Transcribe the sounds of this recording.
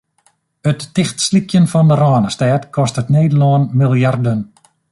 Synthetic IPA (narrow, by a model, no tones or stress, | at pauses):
ətːɪxtslikʰjənfɔndəɾɔːnəstɛːtkʰɔstətneːdəlɔːnmilˠjardən